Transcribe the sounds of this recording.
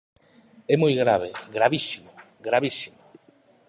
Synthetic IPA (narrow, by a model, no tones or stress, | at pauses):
ɛmojɣɾaβeɡɾaβisimo | ɡɾaβisimo